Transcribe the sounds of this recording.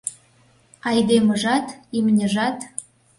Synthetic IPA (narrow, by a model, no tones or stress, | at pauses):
ɑjd̪emə̆ʒɑt̪imnʲəʒɑt̪